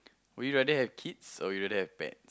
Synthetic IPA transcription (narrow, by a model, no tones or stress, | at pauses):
wujuɹɛdəhɛvkʰitsɔ̰juɹɛdəhɛvbɛ̰̃ts